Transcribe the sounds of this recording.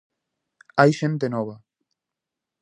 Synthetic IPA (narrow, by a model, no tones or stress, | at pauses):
ajʃent̪̬enɔβ̞ɐ